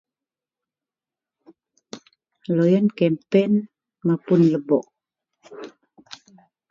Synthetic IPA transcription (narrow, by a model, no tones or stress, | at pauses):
lojənkɛmpɛn | mapunləbɔʔ